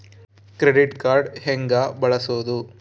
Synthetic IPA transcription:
kɾeɖiʈkaːɾɖheŋɡabɐɭɐsoːd̪u

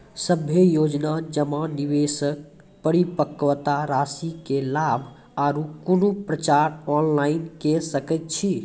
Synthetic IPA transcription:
səbʱjejod͡ʒnad͡ʒəmãniʋesək̚ | pəɾipəkːʋt̪aɾasikelabʱ | aɾukulupɾət͡ʃaɾɔnlainkesəkɛt̪̚t͡ʃʰi

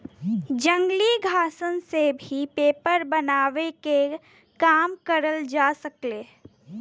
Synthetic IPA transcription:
d͡ʒə̃ŋɡliɡʱaːsənsebʱipeːpəɾbənaːʋeke | kaːmkəɾəld͡ʒaːsəkleː

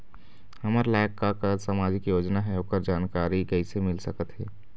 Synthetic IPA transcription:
həməɾlaːkːakəsəmaːd͡ʒɪkjoːd͡ʒnaɦɛokəɾd͡ʒaːnkaːɾikɛɪsemɪlsəkət̪ɦɛː

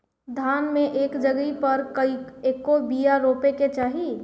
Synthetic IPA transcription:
d̪ʱaːnmẽʔeːkd͡ʒəɡipɐɾkɐieːkobijaɾoːpeket͡ʃaːɦi

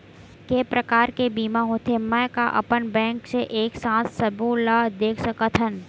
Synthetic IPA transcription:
keːpɾəkaːɾkebiːmaɦoːt̪ʰemɛ̃ːkaʔɐ̰pənbɛ̃ːŋkseʔeːksãːssɐbulad̪eːkʰsɐkət̪ʰɦən

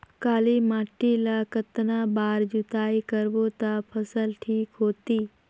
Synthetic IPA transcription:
kaːlimaːʈːilakət̪nabaːɾd͡ʒut̪aːikəɾbot̪apʰəsəlʈʰiːkɦoːt̪iː

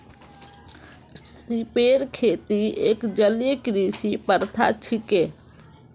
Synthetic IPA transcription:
sipeːɾkʰeːt̪iḛːkd͡ʒəlekɾiːsipəɾt̪ʰa̰t͡ʃʰɪkeː

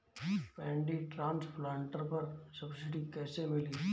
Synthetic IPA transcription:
pɛ̃ːɳɖiʈɾãːnspʰlãːɳʈəɾpɐɾsɐbsɪʈikɛːsemɪliː

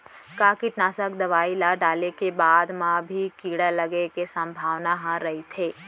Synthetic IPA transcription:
kaːkiʈnaːsəkd̪ɐʋaːilaɖaːlekebaːd̪mãbʱikiːɽaləɡekesɐ̃mbʱaːʋnaɦãɾɐɦit̪ʰeː

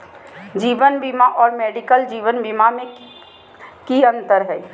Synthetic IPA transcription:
d͡ʒiːʋənbimaʔɔːɾmɛːɖikəld͡ʒiːʋənbimamẽ | kiə̃nt̪əɾɦɛ

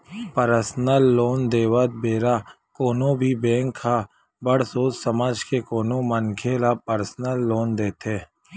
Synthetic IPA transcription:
pəɾəsnəlːoːnd̪eːwət̪̚beːɾaː | koːnõbʱibẽːŋkʰːaː | bəɽ̤soːssəmaːd͡ʒkekoːnõmənkʰelapəɾsnəlːoːnd̪eːt̪ʰeː

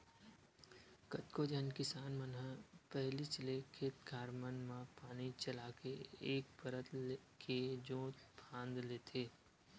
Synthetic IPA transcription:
kət̪kod͡ʒənkɪsaːnmənɦə̃pɛɦlit͡ʃəlekʰet̪ɡʱaːɾmənmãpaːnit͡ʃɐlaːkeeːk̚pəɾət̪kʰed͡ʒõːt̪bʰʱãːnd̪leːt̪ʰeː

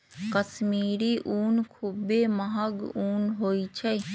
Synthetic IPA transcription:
kəsmiːɾiʔuːnkʰubːeməɦəɡuːnɦoːit͡ʃʰɛ

